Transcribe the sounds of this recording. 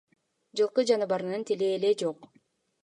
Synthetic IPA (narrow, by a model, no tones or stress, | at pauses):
d͡ʒɯlˠqɯd͡ʒɑnɯβɑɾɯnɯnt̪ʰile̞ːle̞d͡ʒoq